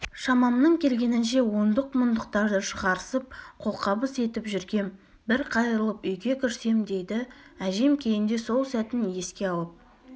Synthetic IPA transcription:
ʃɑmɑmnəɴkʲʰe̞lɡʲe̞nɪnʃe̞wo̞nd̪əqmʊnd̪ʊqt̪ɑɾd̪əʃəʁɑɾəsəp̚qʰo̞lˠqʰɑbəse̞t̪ɪpʒʏɾɡʲe̞m | bɪɾqʰɑjɾəlˠəpʏjɡʲe̞kʲʰʏɾse̞md̪e̞jd̪ɪæʒe̞mkʲʰe̞jɪnd̪e̞so̞lˠsæt̪ɪnje̞skʲe̞ɑw̪ˠəp̚

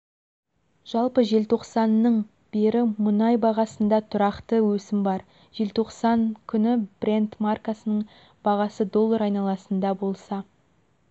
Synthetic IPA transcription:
ʒ̥ɑlˠpəʒe̞lt̪ʰo̞qsɑnːəɴ | b̥e̞ɾɪmʊnɑjbɑʁɑsənd̪ɑt̪ʰʊɾɑqt̪əwɵsɪmbɑɾ | ʒ̥e̞lt̪ʰo̞qsɑnkʲʰʏnɪb̥rʲent̪markasənəɴ | b̥ɑʁɑsəd̪o̞lˠːɑɾɑjnɑlˠɑsənd̪ɑbo̞lˠsɑ

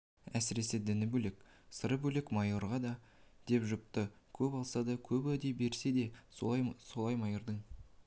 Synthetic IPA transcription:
æsɪɾe̞sed̪ɪnɪbɵlekʲ | səɾəbɵlekmɑjo̞ɾʁɑd̪ɑ | d̪̥e̞pʒʊp̚t̪ə | kʲʰɵpɑlˠsɑd̪ɑkʲʰɵpæd̪e̞be̞ɾse̞d̪e̞ | so̞lˠɑjmɑjəɾd̪əŋ

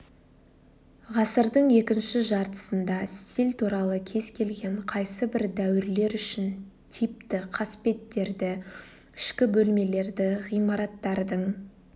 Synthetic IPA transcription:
ʁɑsəɾd̪əɴje̞kʲɪnʃɪʒɑɾt̪ə̥sənd̪ɑst̪ilt̪ʰuɾɑlˠəkʲʰe̞zkʲʰe̞lɡʲe̞ɴqʰɑjsəbɪɾd̪æwɪɾle̞ɾʏʃɪn | t̪ʰijp̚t̪ɪqʰɑspe̞t̪ːe̞ɾd̪ɪ | ɪ̥ʃkʲɪbɵlme̞le̞ɾd̪ɪʁijmɑɾɑt̪ːɑɾd̪əɴ

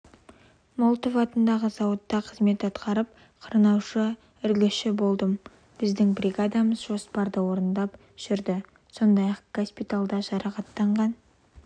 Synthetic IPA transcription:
molˠt̪əfɑt̪ənd̪ɑʁəzɑwət̪ːɑqʰəzme̞t̪ɑt̪qɑɾəp̚ | qʰəɾnɑwʃə | ʏɾɡʲɪʃɪbo̞lˠd̪əm | b̥ɪzd̪ɪŋbrʲiɡad̪ɑməzʒo̞spɑɾd̪əwo̞ɾənd̪ɑp | ʒ̥ʏɾd̪ɪ | so̞nd̪ɑjɑqɡ̥ospit̪alˠd̪ɑʒɑɾɑqɑt̪ːɑɴʁɑn

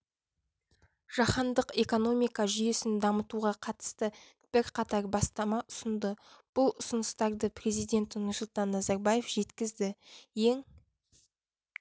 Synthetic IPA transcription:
ʒ̥ɑχɑnd̪əqe̞ko̞no̞mijkɑʒʏje̞sɪnd̪ɑmət̪uʁɑqʰɑt̪ə̥st̪ə | b̥ɪɾqʰɑt̪ɑɾbɑst̪ɑmɑʔʊsʊnd̪ə | b̥ʊlˠʊsʊnəst̪ɑɾd̪əpre̞zijd̪e̞nt̪nʊsʊlˠt̪ɑnːɑzɑɾbɑje̞fʒ̥e̞t̪kʲɪzd̪ɪje̞ŋ

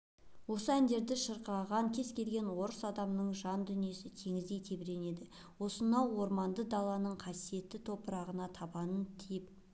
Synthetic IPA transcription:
wo̞səænd̪e̞ɾd̪ɪʃəɾqɑʁɑŋkʲʰe̞zkʲe̞lɡʲe̞nwo̞ɾəsɑd̪ɑmnəɴʒɑnd̪ʏnije̞sɪt̪ʰe̞ŋɪzd̪e̞jt̪ʰe̞bɪɾe̞ne̞d̪ɪ | wo̞sənɑwo̞ɾmɑnd̪əd̪ɑlˠːɑnəɴqʰɑsije̞t̪ːɪt̪ʰo̞pəɾɑʁənɑt̪ʰɑbɑnənt̪ʰip

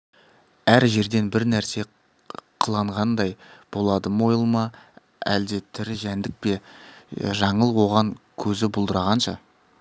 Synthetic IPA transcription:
æɾʒe̞ɾd̪e̞nbɪɾnæɾse̞ | qʰəlˠɑɴʁɑnd̪ɑjb̥o̞lˠɑd̪əmo̞jəlˠmɑ | æ̰ld̪e̞t̪ʰɪɾɪʒænd̪ɪk̚pe̞ | ʒɑɴəlˠwo̞ʁɑɴkʲʰɵzɪbʊlˠd̪əɾɑʁɑnʃɑ

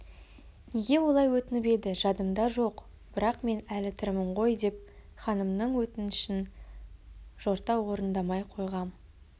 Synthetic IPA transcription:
neɡʲe̞wo̞lˠɑjwɵt̪ɪnɪpe̞d̪ɪʒɑd̪əmd̪ɑʒo̞q | b̥ɪɾɑqme̞nælɪt̪ʰʏɾmɪɴʁo̞jd̪e̞p̚χɑnəmnəɴwɵt̪ɪnɪʃɪn | ʒo̞ɾt̪ɑwo̞ɾənd̪ɑmɑjqʰo̞jʁɑm

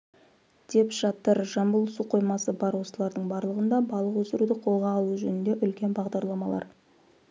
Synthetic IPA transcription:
d̪̥e̞pʒ̥ɑt̪ːəɾʒɑmbəlˠsuqʰo̞jmɑsəbɑɾwo̞səlˠɑɾd̪əɴbɑɾlˠəʁənd̪ɑbɑlˠəqwɵzɪɾud̪əqʰo̞lˠʁɑːlˠuʒɵnɪnd̪eʔʏlkʲe̞nbɑʁd̪ɑɾlˠɑmɑlˠɑ̰ɾ

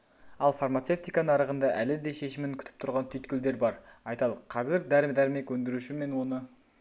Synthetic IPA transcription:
ɑlˠfarmat̪se̞ft̪ijkɑnəɑɾəʁənd̪ɑʔælɪd̪e̞ʃe̞ʃɪmɪŋkʲʰʏ̥t̪ʰɪp̚t̪ʰʊɾʁɑnt̪ʰʏjt̪kʲɪld̪e̞ɾbɑɾɑjt̪ɑlˠəqʰɑzɪɾd̪æɾɪmd̪æɾme̞kwɵnd̪ɪɾuʃɪme̞nwo̞nə

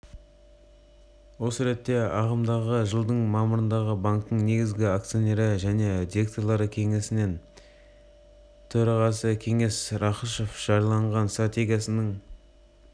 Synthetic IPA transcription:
wo̞səɾe̞t̪ːe̞ɑʁəmd̪ɑʁəʒəlˠd̪əɴmɑməɾənd̪ɑʁəbaŋkt̪ːəɴne̞ɡʲɪzɡʲɪakt̪sijo̞ne̞ɾɪʒæne̞d̪iɾe̞k̚t̪oɾlˠɑɾəkʲʰe̞ŋe̞sɪne̞n | t̪ʰɵɾɑʁɑsəkʲʰe̞ŋe̞sɾɑχəʃofʒ̥ɑɾlˠɑɴʁɑnst̪rat̪ʲe̞ɡʲijasɪnɪŋ

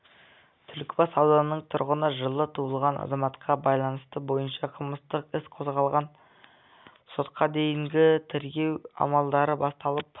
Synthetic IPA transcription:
t̪ʰʏlkʲbɑsɑwd̪ɑnənːəɴt̪ʰʊɾʁənəʒəlˠət̪ʰuəlˠʁɑnɑ̰zɑmɑt̪qʰɑbɑjlˠɑnəst̪əbo̞jənʃɑqʰəlˠməst̪əqɪsqʰo̞zʁɑlˠʁɑn | so̞t̪̚qɑd̪e̞jɪŋɡʲɪt̪ʰeɾɡʲe̞wɑ̰mɑlˠd̪ɑɾəbɑst̪ɑlˠəp

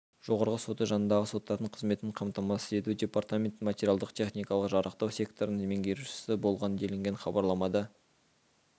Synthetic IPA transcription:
ʒ̥o̞ʁɑɾʁəso̞t̪əʒɑnənd̪ɑʁəso̞t̪ːɑɾd̪əɴqʰəzme̞t̪nɪɴqʰɑmt̪ɑmɑsəe̞t̪ud̪ʲe̞part̪amʲe̞nt̪ːmatʲeɾialˠd̪əqt̪ʲʰe̞χnijkɑlˠəqʒɑɾəqt̪ɑwsʲe̞kt̪ʰo̞ɾənəmʲeŋɡʲe̞ɾuʃɪ̥sɪbo̞lˠʁɑnənd̪ʲʰe̞lɪŋɡʲe̞nχɑbɑɾlˠɑmɑd̪ə

